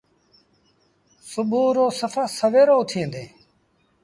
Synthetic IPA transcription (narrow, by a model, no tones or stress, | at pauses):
sʊɓuːɾoːsəfaːsəʋeːɾoːt̪ʰẽːd̪ẽː